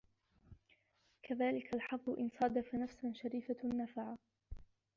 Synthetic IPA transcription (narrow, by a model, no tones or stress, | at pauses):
kʰaðaːlɪkʰalħɑfðʊʔɪ̰nsˤɑd̪afanafsanʃaɾiːfanːafaʕa